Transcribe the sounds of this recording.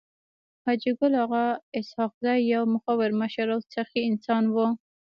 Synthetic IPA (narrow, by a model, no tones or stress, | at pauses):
had͡ʒɪɡʊlhaɣaɪshɑqzɑjːawmʊxawɪɾmaʃaɾawsaxiɪnsɑnwu